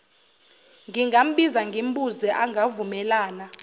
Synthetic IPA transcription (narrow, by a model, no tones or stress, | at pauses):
ŋɡiŋɡʱam̩ɓizaŋɡʱim̩ɓuzɛʔaŋɡʱavumɛlaːna